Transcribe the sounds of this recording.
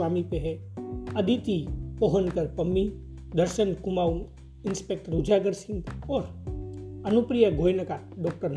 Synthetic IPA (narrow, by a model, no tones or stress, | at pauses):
aːmipeɦe | ɐd̪ʱit̪ipoɦənkəɾpɐmːi | d̪ɐɾʃənkʊmaːu | ɪnspeːk̚ʈəɾud͡ʒaɡəɾsɪ̃ŋɡɔːɾ | ɐnupɾijəɡʱoːjnəka | ɖɔːk̚ʈəɾn